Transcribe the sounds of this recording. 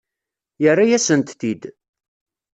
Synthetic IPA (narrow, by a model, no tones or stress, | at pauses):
jərːajæsənt̪θid̪